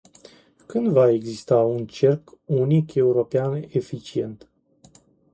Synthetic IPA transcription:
kɨnd̪vae̞ɡzist̪aunt͡ʃe̞rkunike̞uɾo̞peanefit͡ʃie̞nt̪

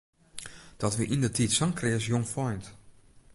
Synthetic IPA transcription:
d̥ɔtʋiʔindətʰitsɔŋkrɪəsjoŋfɔjnt

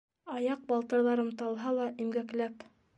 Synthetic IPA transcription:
ɑjɑq̚bɑlˠt̪ɤ̆ɾlˠɑɾɤmt̪ɑlˠɦɑlˠɑʔimɡæklæp

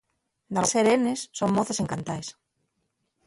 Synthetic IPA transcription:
d̪aseɾenesːommoθeseŋkant̪ajs

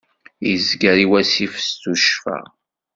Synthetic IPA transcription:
jizɡəɾiwæsifst̪uʃfæ̰

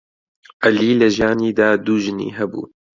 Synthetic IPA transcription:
ʔɐliːlɐʒjaːniːd̪aːd̪uːʒɨnḭːɦɛbṵː

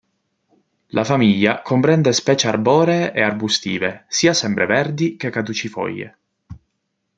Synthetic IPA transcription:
lʔafamiʎːakompɾɛnd̪espɛːt͡ʃearbɔːɾeːʔearbust̪iːvesiːasɛmpɾevɛrd̪ik̟ekːad̪ut͡ʃifɔ̰jːḛ

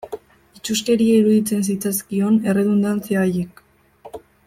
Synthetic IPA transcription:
it͡ʃuske̞ɾiaiɾuðit͡se̞ns̬it͡saskio̞ne̞re̞ðond̪ant͡siaːjek

